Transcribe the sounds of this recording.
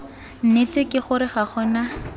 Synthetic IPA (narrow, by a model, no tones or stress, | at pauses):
n̩netʼekʼɪχʊɾɪχaχɔna